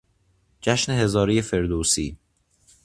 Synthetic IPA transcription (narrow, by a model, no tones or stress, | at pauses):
d͡ʒæʃneɦe̞zɒːɾijefe̞ɾd̪oːsiː